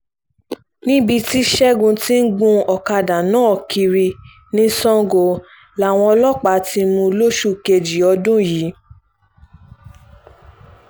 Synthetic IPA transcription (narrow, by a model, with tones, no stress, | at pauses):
nĩ˦bi˧ti˦ʃɛ˦ɡũ˧ti˦n̩˦ɡũ˧ɔ˨ka˧da˨nãː˨˦ɔ˨kʰi˧ɾi˧ | nĩ˦sɔ̃˦ŋ˦ɡo˧˨ | la˦˨w̃ɔ̃˧ɔ˧lɔ˦k͡pa˨˦ti˧˦mũ˧lo˦ʃu˦ke˧d͡ʒi˨ɔ˧dũ˦jiː˨˦